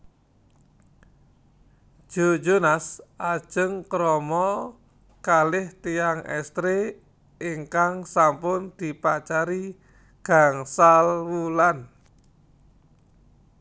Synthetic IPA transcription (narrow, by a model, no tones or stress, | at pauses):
ʒ̥o̤̥d͡ʒonasʔad̥ʒ̥ə̤ŋkɾɔmɔ | kalɪht̪iaŋɛ̰st̪ɾe | iŋkaŋsampʊnd̪̥i̤pat͡ʃaɾi | ɡ̥aŋsalwulan